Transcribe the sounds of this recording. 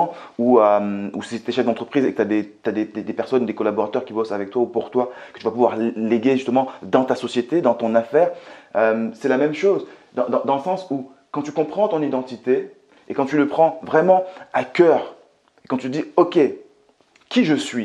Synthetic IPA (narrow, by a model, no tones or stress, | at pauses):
uømuset̪eʃɛfd̪ɑ̃t̪χəpχizekət̪ad̪et̪yad̪ed̪ed̪epɛʁsɔnud̪ekɔlabɔʁat̪œʁkʲibɔsavɛk̚t̪waupuʁt̪wakə̥t̪yvapuvwaʁleɡʲeʒyst̪əmɑ̃d̪ɑ̃t̪asɔsjet̪ed̪ɑ̃t̪ɔ̃nafɛːʁømsɛlamɛmʃozd̪ɑ̃d̪ɑ̃d̪ɑ̃ləsɑ̃su | kɑ̃t̪ykɔ̃pχɑ̃t̪ɔ̃nid̪ɑ̃t̪it̪e | ekɑ̃t̪yləpχɑ̃vʁɛmɑ̃akʲœːʁ | ekɑ̃t̪yəd̪iɔkʲe | kʲiʒəsɥi